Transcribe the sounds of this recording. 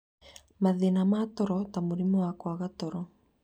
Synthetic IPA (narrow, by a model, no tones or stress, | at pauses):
maðinamat̪oɾot̪amuɾimuakuaɣat̪oɾo